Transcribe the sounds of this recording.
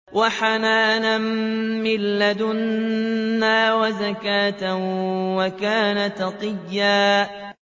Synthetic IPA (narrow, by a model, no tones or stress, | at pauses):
waħanaːnamːɪlːad̪ʊnː | aːwazakaːt̪awakaːnat̪ɑqɨjːaː